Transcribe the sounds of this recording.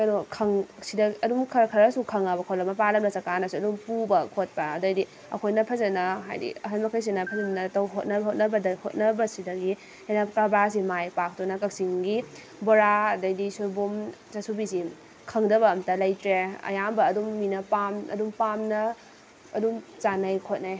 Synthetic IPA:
kɐnokʰɐŋsidɐɐdumkʰɐkʰɐɾɐsukʰɐŋabɐkʰolɐmɐpalɐmnɐsɐkanɐsuɐdumpubɐkʰot̚pɐɐdɐjdi | ɐ̰kʰojnɐpʰɐzɐnɐɦa̰jdḭɐɦɐnmɐkʰɐjs̬inɐpʰɐzɐnɐtɐwɦot̚nɐbɦot̚nɐbɐdɐhot̚nɐbɐsidɐɡi | hejnɐkɾabas̬imajpak̚tunɐkɐk̚siŋɡi | boɾadɐjdisubumzɐsubisi | kʰɐŋdɐβɐːmtɐlɐjtɾeɐ̰jambɐɐdumːinɐpamɐ̰dumpamnɐ | ɐdumt͡ʃanɐjkʰot̚naj

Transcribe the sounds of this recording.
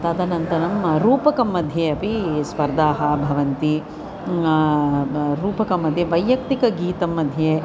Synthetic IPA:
t̪ɐd̪ɐnɐnt̪ɐnɐmɾuːpɐkɐmːɐd̪ʱjeɐpispɐɾd̪ʱaːɦɐbʱɐʋɐnt̪i | ɾuːpɐkɐmːɐd̪ʱjeʋɐjːɐkt̪ikɐɡiːt̪ɐmːɐd̪ʱjeː

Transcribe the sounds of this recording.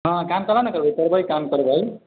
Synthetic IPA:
ʌ̃kamkʌlawnkʌɾbʱʌjkʌɾbʱʌjkamkʌɾbʌj

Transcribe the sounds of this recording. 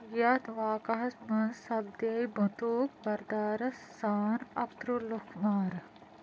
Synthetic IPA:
jɐt̪ʋaːkɐɦɐsmɐnsɐb̚d̪ejbɐt̪uːkbɐɾd̪aːɾɐsːaːnɐpt̪ɾulukʰmaːɾ

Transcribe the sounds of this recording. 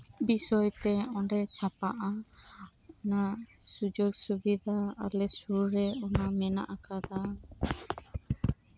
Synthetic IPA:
bisɔjt̪ɛɔɳɖɛt͡ʃʰapaʔa | ɔnasud͡ʒoɡsubid̪ʱaalɛsuɾɾɛɔnamɛna̰ʔakad̪a

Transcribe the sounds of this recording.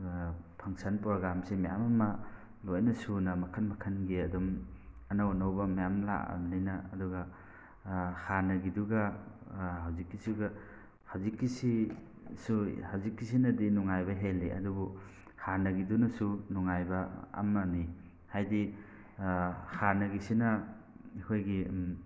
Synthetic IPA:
pʰɐŋsanpɾoɡɾamsemaja̰mɐmɐ | lojnɐsunɐmɐkʰɐnmɐkʰɐnɡiɐdum | ɐnawɐnawbɐmɐjamla̰ʔɐ̰mlinɐːduɡɐ | haɾnɐɡiduɡɐ | hawzikːisuɡɐ | hawzikːisi | suhawzikːis̬inɐdinuŋajbɐɦelːiʔɐ̰dubu | haɾnɐɡidunɐsunuŋajbɐ̰ːmɐni | hajdi | haɾnɐɡisinɐ | ikʰojɡi

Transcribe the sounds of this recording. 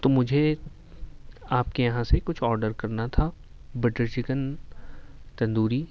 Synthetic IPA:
t̪omʊd͡ʒʱe | aːpkejɐɦãsekʊt͡ʃʰɔːɾɖəɾkɐɾnat̪ʰa | bɪʈəɾt͡ʃɪkən | t̪ɐ̃nd̪uːɾi

